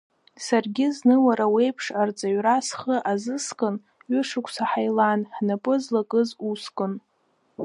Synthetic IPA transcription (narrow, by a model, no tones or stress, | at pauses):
sarɡʲɪznɨwaɾawe̞jpʰʂart͡sʼaɥrasχəʔazɨskʼɨn | ɥʏʂɨkʷʰʼsaħajlanħnapʼɨzlakʼɨzuskʼɨn